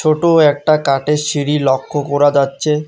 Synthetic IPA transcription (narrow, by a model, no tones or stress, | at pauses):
t͡ɕʰoʈoɛk̚ʈakaʈeʃiɾilɔkʰːokɔɾad͡ʑatːɕʰe